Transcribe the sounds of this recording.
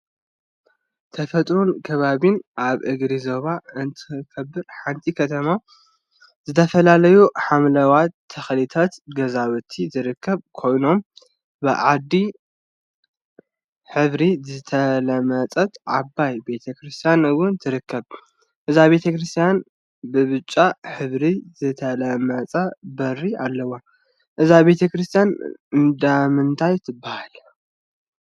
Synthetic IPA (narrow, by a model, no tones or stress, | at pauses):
t̪ʰɐfɐt̪ʼɾunkʰɐβaβinʔaβʔɨɡɾizo̞βaɨnt̪ʰɨkʰɐbːɨɾħant̪ʼikʰɐt̪ʰɐma | zɨt̪ʰɐfɐlalɐjuħamlɐwat̪ʰːɐxlit̪ʰat̪ɡɐzawɨt̪ʰizɨɾɨkʰːɐβkʰo̞jno̞m | bɨʕad̪ːi | ħɨβɾizɨt̪ʰɐlɐmɐt͡sʼɐt̪ʕa̰bːajbe̞t̪ʰɐkɾɨst̪ʰijanɨwʊnt̪ʰɨɾɨkʰːɐβ | ʔɨzaβe̞t̪ʰɐkɾɨst̪ʰijan | bɨβɨt͡ʃʼːaħɨβɾizɨt̪ʰɐlɐmɐt͡sʼɐbɐrːialːɐwa | ʔɨzaβe̞t̪ʰɐkɾɨst̪ʰjanɨnd̪amɨnt̪ʰajt̪ʰɨbːahal